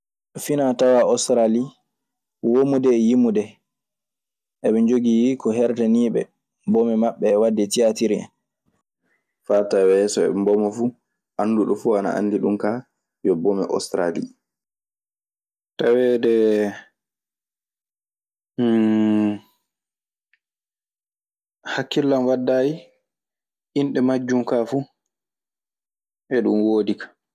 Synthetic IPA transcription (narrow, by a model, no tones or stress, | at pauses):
finatawaɔstɾali | womudɛjimudɛ | ʔɛɓɛɲd͡ʒoɡijikɔɦɛɾtɛniːɓɛ̰ | bɔmɛmaɓːɛːwadɛtijatiɾiɛ̰ | fatawɛsɔɛ̰mbɔmɔfu | ʔanːduɗɔfuana̰ʔa̰ndiɗumka | jɔbɔmɛʔɔ̰stɾali | tawɛdɛ | hakːilːanwadːaːji | ʔinɗɛmad͡ʒːumkafu | ʔɛɗunwoːdikḁ